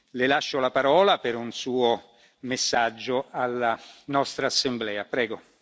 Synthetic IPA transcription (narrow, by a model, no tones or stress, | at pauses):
lɪlaʃːolapaɾɔːlapɪɾunsuːo | mɪsːad͡ʒːoalːanɔst̪ɾaːsːemblɛːapɾɛːɡo